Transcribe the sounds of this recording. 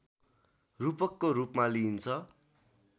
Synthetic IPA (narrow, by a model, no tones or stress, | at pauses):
rupʌkːorupmalint͡sʰʌ